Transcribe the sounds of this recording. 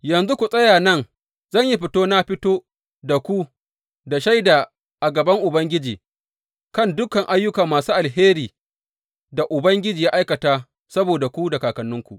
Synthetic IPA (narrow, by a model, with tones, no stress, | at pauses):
jɐ˨nzu˦kʷu˨sʼɐ˦jaː˨nɐ˦ŋ | zɐ˦˨ɲji˦ɸɪ˦toː˦na˦ɸɪ˦toː˦ | da˨kʷu˦ | da˨ʃa˦jdaː˨ | ʔa˨ɡɐ˨bɐ˦ŋʔʊ˨bɐ˦ŋɡʲɪ˦d͡ʒiː˨ | kɐ˦˨ndʊ˦kɐ˨ŋʔa˦jːʊ˦kɐ˨mːaː˨suː˦ʔa˨lɦeː˦ɾiː˨ | da˨ʔʊ˨bɐ˦ŋɡʲɪ˦d͡ʒiː˨jaː˦ʔa˦jkɐ˨taː˦ | sɐ˦boː˨da˨kʷu˦da˨kaː˨kɐ˨nːʊ˦ŋkʷu˨ʔ